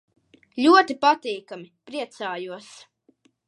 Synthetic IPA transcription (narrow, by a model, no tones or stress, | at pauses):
ʎʲuɔt̪ipat̪iːkamipɾiɛt̪saːjuɔs